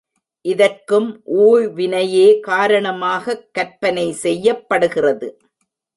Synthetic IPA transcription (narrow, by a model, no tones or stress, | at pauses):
ʔɪðɐɾkɯmʔuːɻʋɪnɐjeːkaːɾɐɳɐmaːɣɐkːɐɾpɐnɐɪsɛjːɐpːɐɽɯɣɪrɐðɯ